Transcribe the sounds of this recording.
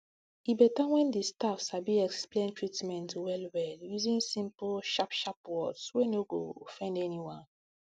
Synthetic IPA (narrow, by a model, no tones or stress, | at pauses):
ibɛtawɛ̃ndistafsabiɛksplẽntɹitmɛ̃ntwɛlwɛljuzĩnsĩmplʃapʃapwɔdswenoɡo̰fɛ̃ndɛniwãn